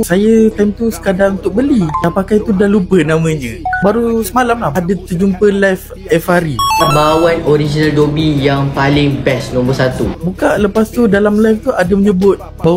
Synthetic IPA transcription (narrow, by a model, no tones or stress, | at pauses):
sajət̪ajmt̪usə̥kadaŋunt̪ʊk̚bəlidapakajt̪udalupənamə̃ɲə̃baɾusəmalamladat̪ərd͡ʒumpəlaf | ɛfaɾiabawanoɾid͡ʒinaldobijaŋpalɪŋbɛsnumbʊsat̪ubukaʔləpast̪udalamlajft̪uadaməɲə̃bʊt̪̚ | baw